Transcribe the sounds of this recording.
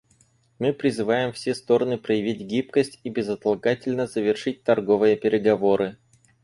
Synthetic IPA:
mɨpɾʲɪzɨvajɪmfsʲest̪o̞ɾənɨpɾəjɪvʲitʲɡʲipkəsʲtʲibʲɪzət̪ɐlˠɡatʲɪlʲnəzəvʲɪrʂɨt̚ʲt̪ɐrɡo̞vɨjəpʲɪɾʲɪɡɐvo̞ɾɨ

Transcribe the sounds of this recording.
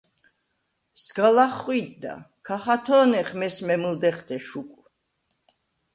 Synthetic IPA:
sɡalaχwid̪ːa̰kʰaχat̪ʰɔːnɛχmɛsmɛmld̪ɛχd̪ʰɛʃukʼu

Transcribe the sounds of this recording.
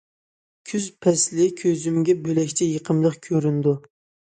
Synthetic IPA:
kʲʰyzpʰɛslɪkʲʰøzymɡʲɛbølɛkʲt͡ʃʰɛjəqʰəmlˠəqkʲʰøɾynd̪u

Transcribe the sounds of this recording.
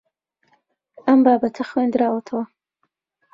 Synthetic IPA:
ɐmbaːbɐt̪ʰɐxwend̪ɾaːwɐt̪ʰɐwɐ

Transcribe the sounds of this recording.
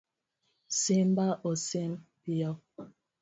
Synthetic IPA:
sembaʔosempijɔ

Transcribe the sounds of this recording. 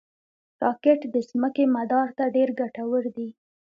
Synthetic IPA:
ɾɑkeʈd̪əsməkemad̪ɑɾt̪aɖeɾɡaʈawəɾd̪i

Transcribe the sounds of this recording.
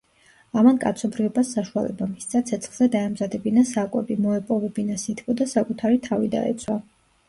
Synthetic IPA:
amankʼa̰t̪sʰɔbɾivɔbasːaʃua̰lɛ̰bamist̪sʰʼat̪sʰɛt̪sʰχlˠz̥ɛd̪aɛmzad̪ɛbinasakʼwɛbimɔɛpʼɔvɛbinasit̪ʰkʰʼɔd̪asakʼut̪ʰaɾit̪ʰavid̪a̰ɛ̰t̪sʰwa

